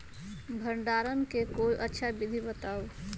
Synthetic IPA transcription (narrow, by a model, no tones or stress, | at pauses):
bʱəɳɖaːɾənkekoːiʔətːʃʰabid̪ʱibət̪aːo